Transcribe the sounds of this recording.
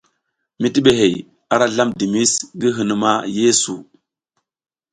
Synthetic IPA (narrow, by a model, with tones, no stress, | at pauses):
mi˦ti˦ɓe˨ɦe˨j | a˨ɾa˦ɮa˦mdi˨mi˦sɡi˦ɦɨ˨n˨ma˦je˦su˨